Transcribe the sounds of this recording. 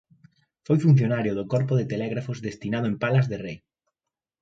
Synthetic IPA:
fojfun̟θjonaɾjoðokɔɾpʊðet̪elɛɣɾafʊzðest̪inað̞ʊempalazðerej

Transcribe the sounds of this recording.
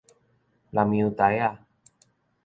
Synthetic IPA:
lamiut̪aja

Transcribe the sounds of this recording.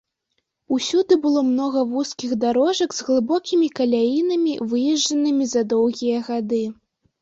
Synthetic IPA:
usʲud̪ɨbɨlˠɔmnɔɣɐvuskʲiɣd̪aɾɔʐɐɡz̥ɣlˠɨbɔkʲimʲikɐlʲajinɐmʲivɨjɛʐd͡ʐɐnɨmʲizɐd̪ɔwɣʲijɐɣad̪ɨ

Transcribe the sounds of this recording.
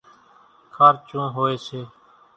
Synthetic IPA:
kʰaːɾt͡ʃũːɦoːeːseː

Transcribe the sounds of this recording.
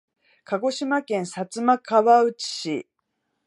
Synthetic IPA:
kaɡo̞ɕimakẽɰ̃sat͡sɨmakaβaɯ̟t͡ɕi̥ɕi

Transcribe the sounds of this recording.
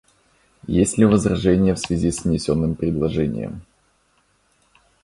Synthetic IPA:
jesʲtʲlʲɪvəzrɐʐɛnʲɪjəfsvʲɪzʲisnʲɪsʲonːɨmpɾʲɪd̪lˠɐʐɛnʲɪ̰jə̰m

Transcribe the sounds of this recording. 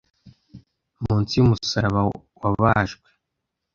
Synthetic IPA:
muːnt͡sijumusaɾaβa | waβaːʒɡwe

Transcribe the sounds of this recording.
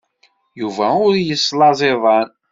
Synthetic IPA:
juvæʊɾjəslɑzˤeðˤɑn

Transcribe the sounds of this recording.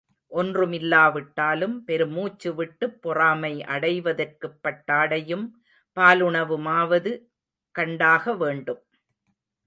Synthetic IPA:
ʔɔndrɯmɪlːaːʋɪʈːaːlɯmpɛɾɯmuːt͡ʃːɯʋɪʈːɯpːɔraːmɐɪʔɐɽɐɪʋɐðɐrkɯpːɐʈːaːɽɐjɯm | paːlʊɳɐʋɯmaːʋɐðɯ | kɐɳɖaːɣɐʋeːɳɖɯm

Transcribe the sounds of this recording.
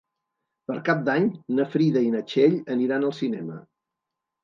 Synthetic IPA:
pəɾkap̚d̪aɲnəfɾiðəinət͡ʃeʎəniɾanəlˠsinɛmə

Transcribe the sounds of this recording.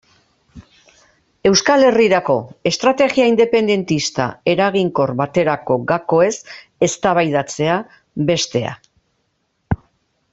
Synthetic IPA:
e̞wskale̞riɾako̞e̞st̪ɾat̪e̞ɣiaind̪e̞pe̞nd̪e̞nt̪ist̪a̰e̞ɾaɣiŋko̞rβat̪e̞ɾako̞ɡako̞e̞s | e̞st̪aβ̞ajðat͡se̞a | βe̞st̪e̞a̰

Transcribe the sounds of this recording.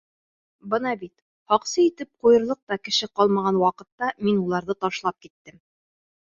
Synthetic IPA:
bɤnɑbit̪ | hɑqsɤit̪ɘp̚qujɤ̆ɾlˠɤq̚t̪ɑkɘ̆ʃɘqɑlˠmɑʁɑnwɑqɤ̆t̪ːɑminulˠɑɾðɤt̪ɑʃlˠɑp̚kit̪ːɘm

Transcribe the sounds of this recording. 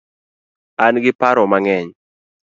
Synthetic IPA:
anɡɪpaɾɔmaŋɛɲ

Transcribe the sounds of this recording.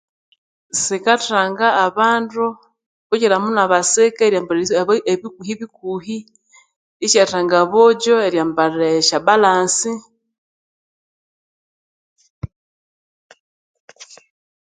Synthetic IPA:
sikataːŋɡaːβaːndu | βuɟiɾamunaβasekaɾjambaɾeβikuhiβikuhi | it͡ʃataŋɡaβoɟoeɾjaːmbaɾeʃaβalaːnsi

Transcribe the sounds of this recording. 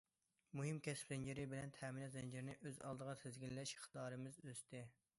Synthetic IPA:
muɦɪmkʲʰɛspzɛnd͡ʒɪɾɪbɪlɛnt̪ʰɛminɑt̪zɛnd͡ʒɪɾnɪʔøzɑ̰lˠd̪əʁɑt̪ʰɪzɡʲillːɛʃχʰt̪ɑːɾɨmɪzøst̪ʰɪ

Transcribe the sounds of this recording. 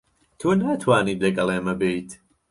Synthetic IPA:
tʰuənatʰwanidɛɡalˠɛməbiːd̥

